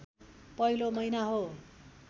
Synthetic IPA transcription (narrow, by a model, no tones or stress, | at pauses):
pʌilomʌinaɦo